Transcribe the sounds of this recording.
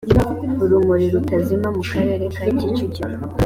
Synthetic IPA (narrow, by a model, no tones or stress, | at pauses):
uɾumuɾiɾutazimamukaɾe̞ɾekaicit͡ʃici